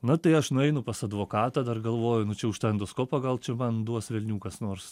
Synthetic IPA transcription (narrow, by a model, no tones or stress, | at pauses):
nʊt̪ɐɪɐʃnʊɛɪnʊpɐsɐd̪ʋoːkɑːt̪ɐːd̪ɐrɡɐlˠʋoːjʊnʊt͡ʃʲɛʊʃt̪ɐɛnd̪ʊskoːpɐɡɐlˠt͡ʃʲɛmɐnd̪uɔsʋʲɛlʲnʲuːkɐsnoːrs